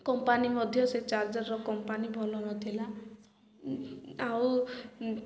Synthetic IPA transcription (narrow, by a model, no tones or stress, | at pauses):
kɔmpanimɔd̪ʱjɔset͡ʃaɾd͡ʒɔɾːɔkɔmpanibʱɔlɔnɔt̪ʰila | aw